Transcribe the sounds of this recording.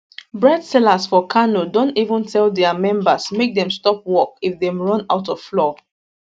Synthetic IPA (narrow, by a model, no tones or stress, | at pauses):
bɹɛdsɛlasfɔkʰanodõntivə̃ntʰɛldɛamɛ̃mbəsmek̚dɛ̃mstɔp̚wɔkifðɛ̃mɹʌ̃naʊtɔv̥flɔ